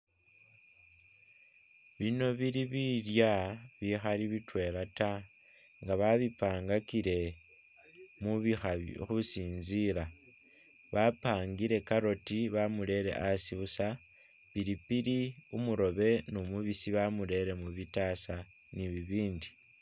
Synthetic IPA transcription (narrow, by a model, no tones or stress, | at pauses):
βino̞βiɾiβiljaβixaliβitwe̞lata | ŋɡaβaβipaːŋɡakiɾe̞ | muβixaxusiːnziɾa | βapaːŋɡiɾe̞kaɾo̞tiβamule̞ɾe̞̰ʔasiβusa | piɾipiɾiumuɾo̞βe̞numuβisiβamule̞ɾe̞muβitasa | niβiβiːndi